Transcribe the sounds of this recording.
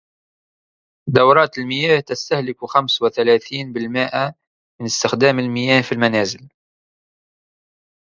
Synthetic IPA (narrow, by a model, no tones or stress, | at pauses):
d̪ɑwɾˤɑːt̪əlməjæːht̪əst̪ahlɪkuxamswɪθælæːθiːnbəlmɪʔa | mənəst̪əxd̪æːməlmɪjæːhfilmænæːzɪl